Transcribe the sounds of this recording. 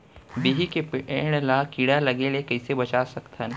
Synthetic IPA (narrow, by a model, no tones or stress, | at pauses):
biɦikepeːɽ̃lakiɽalɐɡelekɐɪsebɐt͡ʃaːsɐkt̪ʰən